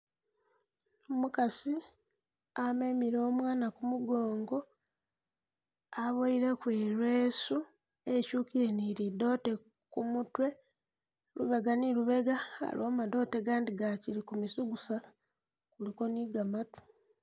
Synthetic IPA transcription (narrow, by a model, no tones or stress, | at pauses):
mukasi | amemiɾo̞ːmwaːnakumuɡo̞ːŋɡo̞ | aβoiɾe̞kweːlweːsu | ecuːkiɾeniɾido̞te̞ | kumutwe̞ | luβe̞ɡaniluβe̞ɡaa̰loːmado̞teɡaːndiɡacilikumisuɡusa | kuliko̞niɡamatu̥